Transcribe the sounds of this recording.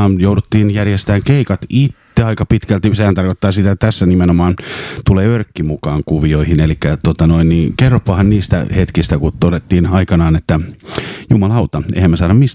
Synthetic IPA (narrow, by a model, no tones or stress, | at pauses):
ɑjoudut̪ːiːnjærjest̪æːŋkeikɑt̪it̪ːeɑikɑpit̪kælt̪isehænt̪ɑrkot̪ːɑːsit̪æt̪æsːænimenomɑːnt̪uleːørkːimukɑːŋkuʋioihinelikːæt̪ot̪ɑnoinniːkerːopːɑhɑnniːst̪æ̰het̪kist̪ækut̪odet̪ːiːnɑikɑnɑːnet̪ːæjumɑlɑɑut̪ɑʔḛhæmːæsɑːnɑmis